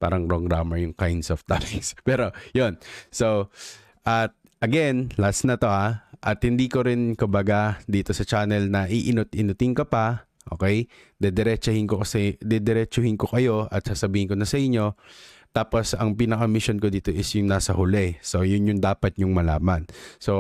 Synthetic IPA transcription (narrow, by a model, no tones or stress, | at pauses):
pa̰ːɾɐŋpɾoɡɾaːmɛɹjʊŋkajnd̪soft̪alɪkspɛːɾo̞jo̞nso | ʔɐt̪̚ | ʔɐɡɛnlasnɐt̪o̞ʔaʔɐt̪hɪnd̪iːkoɾɪnkʊmbɐɡad̪iːt̪o̞sɐt͡ʃanɛlnɐʔiʔɪnʊt̪ɪnʊt̪ɪŋkɐpɐ | ʔo̞̰ːkɛj | d̪ɛd̪ɛɾɛt͡ʃɐhɪnkokɐsɛd̪ɛd̪ɛɾɛt͡ʃohɪnko̞kɐjo̞ʔɐt̪̚sasɐbiːhɪnkonɐsɐʔɪɲːo̞t̪aːposɐŋpiːnɐkɐmɪʃo̞nkod̪iːt̪o̞ʔɪsjʊŋnaːsɐhʊlɛso̞jʊnjʊŋd̪aːpɐt̪̚ɲʊŋmɐla̰ːmɐnso̞